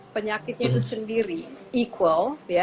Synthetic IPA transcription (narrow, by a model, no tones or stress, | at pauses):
pəɲakɪt̪̚ɲat̪usəndiɾiikwəlja